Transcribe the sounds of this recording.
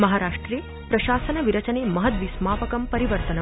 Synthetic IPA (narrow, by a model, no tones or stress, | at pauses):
mɐɦaːɾaːʂʈɾeː | pɾɐʃaːsɐnɐʋiɾɐt͡ʃɐneːmɐɦɐt̪ʋismaːpɐkɐmpɐɾiʋɐɾt̪ɐnɐ